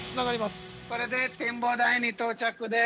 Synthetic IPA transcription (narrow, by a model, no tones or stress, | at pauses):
t͡sɨnaɡaɾʲimaskoɾed̪et̪embod̪ainit̪oːt͡ʃakːɯd̪e